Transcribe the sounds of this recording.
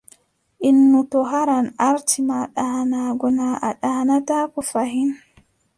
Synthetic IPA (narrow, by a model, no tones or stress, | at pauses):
ʔinːutɔɦaɾanʔaɾtʰimaɗanaɡɔnaʔaɗanatakɔfaɦin